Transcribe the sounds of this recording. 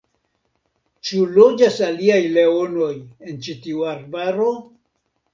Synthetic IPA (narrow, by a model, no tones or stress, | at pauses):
t͡ʃulo̞d͡ʒasaliajle̞ono̞je̞nt͡ʃitiuaɾbaɾo̞